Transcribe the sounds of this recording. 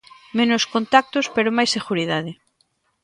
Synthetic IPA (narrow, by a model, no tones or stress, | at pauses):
mẽnoskont̪ak̚t̪ospeɾomajseɣuɾið̞aðɪ